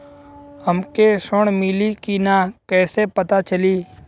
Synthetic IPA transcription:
həmkesʊɽ̃mɪlikinakɛːsepət̪at͡ʃəliː

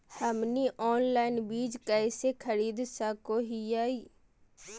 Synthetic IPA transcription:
həmniʔɔːnlaːɪnbiːd͡ʒkɛɪsekʰəɾiːd̪sakoɦiaːiː

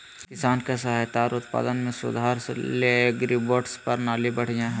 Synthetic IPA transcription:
kɪsaːnkesaːɦet̪aːɾʊt̪pa̰ːd̪ənmẽsʊ̰d̪ʱaːɾsḛleɡɾiboːʈspɐɾnaːlibɐɽ̤ijãɦɛ̃

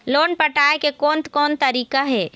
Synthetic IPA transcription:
loːnpəʈaekekoːnt̪kɔːnt̪əɾiːkaɦɛː

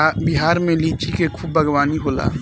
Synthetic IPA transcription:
biɦaːɾmẽlit͡ʃikekʰuːbːʱəɡwaːniɦola̰ː

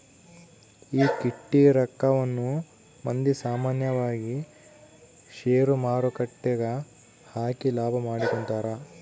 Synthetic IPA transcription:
iːkiʈːiɾɐkːɐʋɐnːu | mɐnd̪isaːmaːnjɐʋaːɡi | ʃeːɾumaːɾukɐʈːɛɡɐ | haːkilaːbʱɐmaːɽikont̪aːɾɐ

